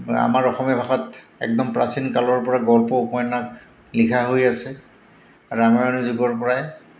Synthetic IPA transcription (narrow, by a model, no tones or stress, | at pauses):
a̰maɹɔxɔmjɔbʱaxɔt | ɛ̰k̚dɔmpɹa̰sinkalɔɹpɔɹaɡɔlpɔpɔjɔnak | likʰaɦojasɛ | aɹuamaonuzʊɡɔɹpɔɹaj